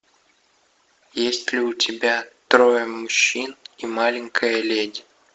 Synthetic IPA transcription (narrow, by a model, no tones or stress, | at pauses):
jesʲtʲlʲiutʲɪbʲat̪ɾojəmuɕːinimɑlʲɪŋʲkʰəjəlʲedʲ